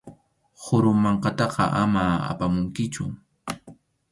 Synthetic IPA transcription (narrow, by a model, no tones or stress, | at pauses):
hʊɾʊmːɑɴqɑt̪ɑqɑ̰ʔamaa̰pamʊŋkɪt͡ʃʊ̰